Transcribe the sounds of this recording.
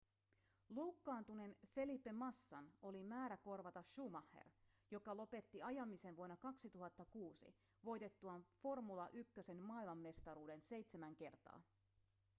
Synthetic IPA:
lukːɑːnt̪une̞nfe̞lipːe̞mɑsːɑno̞limæːɾæko̞rʋɑt̪ɑʃumɑhːḛrjo̞kɑlo̞pe̞t̪ːiɑjɑmise̞nʋuonːɑkɑksit̪uɦɑt̪ːɑkuːsḭ | ʋo̞jt̪e̞t̪ːuɑnfo̞rmulɑʔykːøse̞nmɑːilmɑmːe̞st̪ɑɾuːde̞nse̞jt̪se̞mæŋke̞rt̪ɑ̰ː

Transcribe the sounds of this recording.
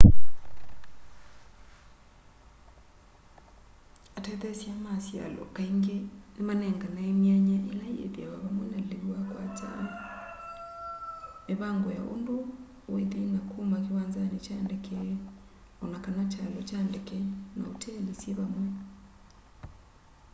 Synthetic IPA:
atɛðɛsjamasja̰lɔ̰kaiŋɡenemanɛŋɡanaemjaɲaʔelajḛðiaβaβamwɛnalewakwat͡ʃa̰l | eβaŋɡoja̰ʔo̰ndo | weðenakʰumakewaːnzanet͡ʃandekʰɛ | ɔnakanat͡ʃalɔt͡ʃandekɛna̰otʰɛlesjeβamwɛ

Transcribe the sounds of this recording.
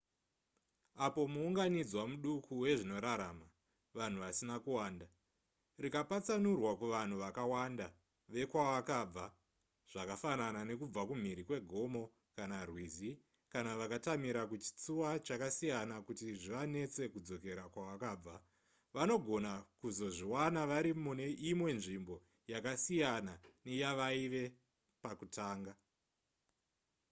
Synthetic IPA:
apo̞muːŋɡanid͡zwamuɗukʰuwe̞ʐino̞ɾaɾaːma | ʋan̤uʋasinakuwaːnda | rikapat͡sanurwakuʋan̤uʋakawanda | ʋe̞kwawakab͡va | ʐ̥akafananane̞kub͡vakum̤iɾikwe̞ɡʱo̞mo̞ | kanarwizi | kanaʋakatamiɾakut͡ʃi̥t͡suwat͡ʃakasijanakutiʐiʋane̞t͡se̞kud͡zo̞ke̞ɾakwawakaːb͡va | ʋano̞ɡʱo̞nakuzo̞ʐiwanaʋaɾimune̞ʔimwe̞nʐimbo̞ | jakasijanane̞jaʋaiʋe̞ | pakutʰaːŋɡa

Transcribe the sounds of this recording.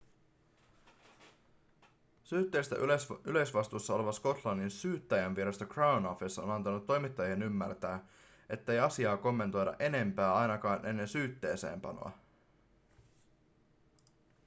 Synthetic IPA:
syːt̪ːeːst̪æ̰ʔsylø̞sʋɑst̪uːsːɑo̞leʋɑsko̞t̪lɑnːinsyːt̪ːæjænʋieɾɑst̪okrawnofisːo̰nɑnt̪ɑnut̪ːo̞jmit̪ːɑjienymːært̪æː | ʔe̞t̪ːe̞jɑsiɑːko̞mːe̞nt̪o̞jdɑ̰ʔe̞ne̞mpæːɑjnɑkɑːnʔe̞nːe̞nsyːt̪ːe̞̰ːse̞̰ːmpɑ̰no̰ɑ̰

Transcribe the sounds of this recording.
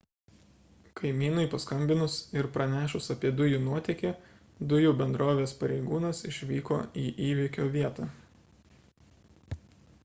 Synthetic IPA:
kʰɐɪmʲiːnɐɪpɐskɐmʲbʲɪnʊsɪɾpɾɐnʲæːʃʊsɐpʲiɛd̪ʊjuːnuɔt̪ʲɛkʲeː | d̪ʊjuːbʲɛnd̪ɾoːʋʲeːspɐɾʲɛɪɡuːnɐsɪʃʲʋʲiːko̰ːiːʔiːʋʲikʲoːʋʲiɛt̪ɐː

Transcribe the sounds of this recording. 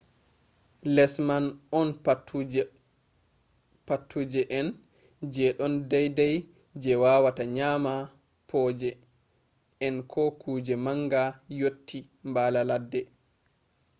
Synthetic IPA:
lɛsmanɔn | patʰːud͡ʒɛʔɛn | d͡ʒɛɗɔndajdaj | d͡ʒɛwawataɲaːma | pʰɔːd͡ʒɛ | ʔɛnkʰɔkʰuːd͡ʒɛmaŋɡajotːi | mbalaladːɛ

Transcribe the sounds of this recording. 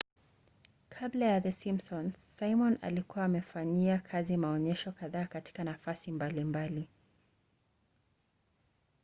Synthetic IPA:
kʰablajaðəsimsɔnsajmɔna̰likuwaːmɛfaɲiakʰazimaɔɲɛʃɔkaðaːkati̥kanafasimbalimbali

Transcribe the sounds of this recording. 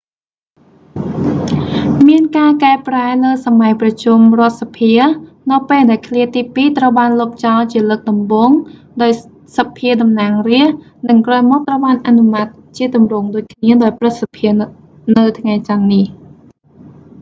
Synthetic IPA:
miənkaːkaɛpraɛləːsamajprɑt͡ɕumrŏət̪̚sapʰiə | nɨwpeːlɗaɛlkʰliət̪iːpiːt̪rəwɓaːnloːp̚t͡ɕɑlt͡ɕiələːk̚ɗɑmɓoːŋ | ɗaɔj | sapʰiəɗɑmnaːŋriəh | nɨŋkrɔːjmɔːk̚t̪rəwɓaːnʔanumat̪̚t͡ɕiət̪umrʊːŋɗoːc̚kʰniəɗaɔjprɨt̪̚sapʰiə | nɨwt̪ʰŋajt͡ɕanːih

